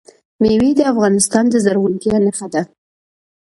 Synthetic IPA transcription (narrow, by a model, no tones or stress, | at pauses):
mewid̪əafɣɑnɪst̪ɑnd̪əzaɾɣunt̪janaxad̪a